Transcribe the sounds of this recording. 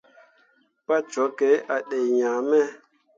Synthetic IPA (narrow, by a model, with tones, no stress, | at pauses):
pa˦t͡ʃɔ˨˦ke˨˦a˨ɗe˨jɲã˨mɛ˦˨